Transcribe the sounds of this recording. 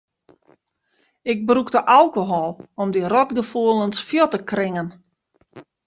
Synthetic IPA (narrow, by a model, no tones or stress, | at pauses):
ɪɡ̚bruktəʔalˠkoɦɔlˠɔmdirɔtɡəfuəlˠənsfjotəkrɪŋən